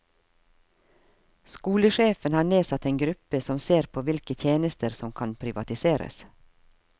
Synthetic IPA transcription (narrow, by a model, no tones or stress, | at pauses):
skuːləʃeːfənhɑːɳeːsɑt̪eːnɡɾʉpəsɔmseːɾpʰoːʋɪlkət̪ʰjeːnəst̪ʰəɾsɔmkʰɑnpʰɾɪʋɑt̪ɪseːɾə̰s